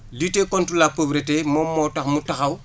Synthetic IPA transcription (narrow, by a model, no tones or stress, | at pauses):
litekontɾulapobɾetemɔmːɔtɐxmutɐxaw